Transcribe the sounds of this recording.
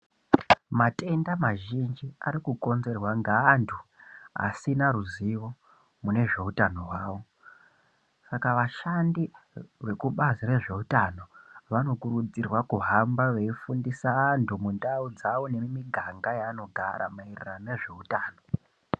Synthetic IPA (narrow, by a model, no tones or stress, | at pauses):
mate̞ndamaʒind͡ʒiaɾikuko̞nze̞rwaŋɡaːntʰuɦa̰sinaɾuziʋo̞ | mune̞ʐe̞utano̞ɦwaːʋo̞ | sakaʋaʃandiʋe̞kuɓazire̞ʐe̞utano̞ʋano̞kuɾud͡zirwakuɦambaʋe̞ifundisaːntʰumundaud͡zaʋone̞miɡʱaŋɡajaːno̞ɡʱa̰ɾa̰mairirane̞ʐe̞utaːno̞